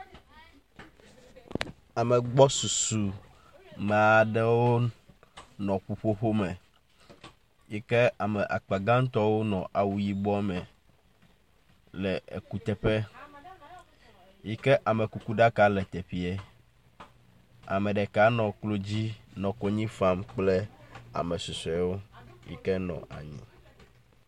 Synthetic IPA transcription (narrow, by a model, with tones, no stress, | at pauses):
a˨mɛ˨ɡ͡bɔ˦su˨su˨ | mɛ˨a˨ɖɛ˦wo˦ | nɔ̃˨ɸu˦ɸo˦ɸo˦mɛ̃˨ | ji˦kɛ˦a˨mɛ˨ʔa̰˨k͡pa˨ɡã˦ŋ˦t̪ɔ˦wo˦nɔ̰̃˨ʔa˨wu˨ji˦bɔ˦mɛ̃˨ | lɛ˨ḛ˨ku˦t̪ɛ˦ɸɛ˦ | ji˦kɛ˦ʔa˨me˨ku˨ku˦ɖa˦ka˦lɛ˨t̪e˨ɸi˨e˨ | a̰˨mẽ˨ɖɛ˨ka˦nɔ̃˨klo˦d͡ʑi˦nɔ̃˨ko˦ɲĩ˦fa˦mk͡ple˦a̰˨mɛ˨su˨sɛ˨˦wo˦jḭ˦kɛ˦nɔ̰̃˨ʔa̰˨ɲḭ̃˦